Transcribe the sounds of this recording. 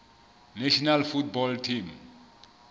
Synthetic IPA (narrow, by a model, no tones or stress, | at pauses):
neʃɔnalfut̚bɔltʰim